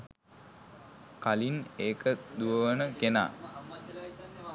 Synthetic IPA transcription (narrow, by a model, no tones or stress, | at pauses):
kalineːkəd̪uəʋənəkena̰ː